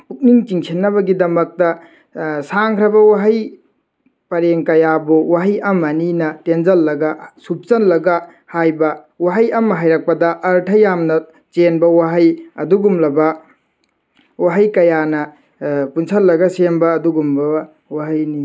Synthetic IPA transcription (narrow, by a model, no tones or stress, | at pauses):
puk̚niŋt͡ʃiŋsʰinːɐbɐɡidɐmɐk̚tɐ | saŋkʰɾɐbɐwaɦɐj | pɐɾeŋkɐjabuwaɦɐjɐmɐninɐtenzɐlːɐɡɐsup̚t͡ʃɐnlːɐɡɐ | hajbɐ | waɦɐjɐmɦajɾɐk̚pɐdɐʔɐɾtʰɐjamnɐ | t͡ʃenbɐwaɦɐjɐ̰duɡumlɐbɐ | waɦɐjkɐjanɐ | punsɐlːɐɡɐsenbɐːduɡumbɐ | waɦɐjni